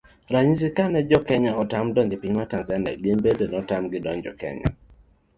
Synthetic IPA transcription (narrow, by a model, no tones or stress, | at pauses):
ɾaɲis̬ikanɛd͡ʒɔkɛɲaɔtamdɔŋɡɪpiɲmatanzana̰ɡembedenɔtamɡɪdɔɲd͡ʒɔ̰kɛ̰ɲa̰